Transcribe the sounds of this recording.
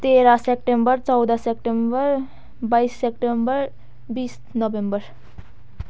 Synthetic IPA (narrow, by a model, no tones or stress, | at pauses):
t̪eɾasep̚ʈembəɾt͡sɔwd̪asep̚ʈembəɾ | baisːepʈembəɾ | biːs | nɔʋembəɾ